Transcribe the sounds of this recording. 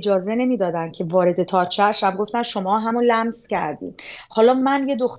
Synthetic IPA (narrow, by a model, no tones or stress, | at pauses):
d͡ʒɒːze̞ne̞miːd̪ɒːd̪æncʰe̞vɒːɾe̞d̪e̞t̪ʰɒːt͡ʃʰæʔʃæb̚ɡo̞ft̪ænʃo̞mɒːɦæmolæmzcæ̰ɾd̪ḭːd̪̥hɒːlɒːmænje̞d̪oxt̪